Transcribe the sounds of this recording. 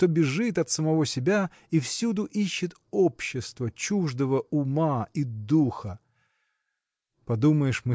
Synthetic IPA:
t̪o̞bʲɪʐɨt̪ɐt̪səmɐvo̞sʲɪbʲa | ifsʲud̪ʊʔiɕːɪt̪ | opɕːɪst̪vət͡ɕuʐd̪əvəʊmaid̪uxə | pɐd̪uməjɪʂmɨ

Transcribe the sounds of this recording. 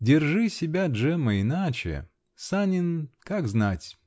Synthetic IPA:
dʲɪrʐɨsʲɪbʲaʐɛməɪnat͡ɕɪ̰ | sanʲɪnkakznatʲ

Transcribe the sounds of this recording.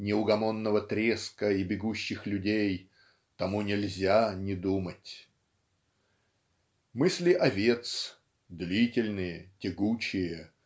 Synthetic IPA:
nʲɪʊɡɐmonːəvət̪ɾʲeskəibʲɪɡuɕːɪxlʲʉdʲej | t̪ɐmunʲɪlʲzʲanʲɪd̪umətʲ | mɨsʲlʲɪʔɐvʲe̞t̪s | d̪lʲitʲɪlʲnɨjətʲɪɡut͡ɕɪjə

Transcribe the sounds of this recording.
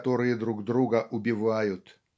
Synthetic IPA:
t̪oɾɨjəd̪ɾuɡd̪ɾuɡəʔʊbʲɪvajʊt̪

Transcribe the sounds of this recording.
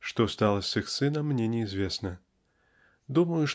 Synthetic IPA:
ʂt̪ɔst̪alˠɐsʲɨxsɨnɐmːnʲɛnʲɪizʲvʲesnɐ | d̪uməjʊʂ

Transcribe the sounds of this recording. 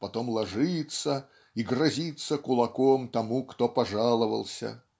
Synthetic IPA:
pɐt̪o̞mlˠɐʐɨt̪sə | iɡrɐzʲit̪sːəkʊlˠɐkomt̪ɐmukt̪opɐʐalˠəvə̰lˠsʲə̰

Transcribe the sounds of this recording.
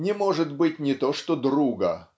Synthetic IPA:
nʲɪmo̞ʐɨt̪bɨtʲnʲɪt̪oʂt̪od̪ruɡə

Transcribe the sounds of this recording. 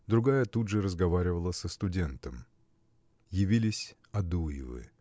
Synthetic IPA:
d̪ɾʊɡajət̪ud̪ʐɨɾəzɡɐvaɾʲɪvəlˠəsəst̪ʊdʲe̞nt̪əm | jɪvʲilʲɪsʲ | ɐd̪ujɪ̰vɨ̰

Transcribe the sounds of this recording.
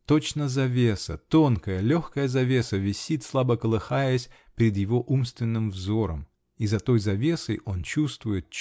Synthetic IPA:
t̪o̞t͡ɕnəzɐvʲe̞sə̰t̪o̞nkəjəlʲoxkəjəzɐvʲe̞səvʲɪsʲit̪slˠabəkəlˠɨxajəsʲ | pʲɾʲɪd̪jɪvo̞ʔumst̪vʲɪnːɨmvzo̞ɾə̰m | izɐt̪o̞jzɐvʲe̞səjʔo̞nt͡ɕust̪vʊjɪt̪̚

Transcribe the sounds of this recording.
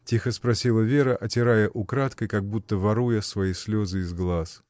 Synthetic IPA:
tʲixəspɾɐsʲilˠəvʲe̞ɾəʔɐtʲɪɾajəʔʊkɾat̪kəjkɐɡ̚but̪ːəvɐɾujəsvɐisʲlʲozɨɪzɡlˠas

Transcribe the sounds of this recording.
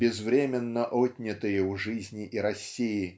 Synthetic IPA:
bʲɪzvɾʲemʲɪnːəʔotʲnʲɪt̪ɨjəuʐɨzʲnʲɪʔiɾɐsʲːijɪ

